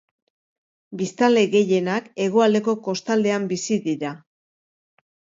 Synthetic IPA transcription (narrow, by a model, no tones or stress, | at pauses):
bist̪ald̪eɣe̞je̞nake̞ɣ̞o̞ald̪e̞ko̞ko̞st̪ald̪e̞ambisiðiɾa